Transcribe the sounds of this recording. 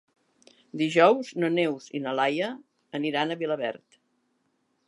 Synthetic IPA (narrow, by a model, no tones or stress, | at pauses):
d̪iʒɔwznənewzḭnəlajəː | niɾanəβiləβɛ̰rt̪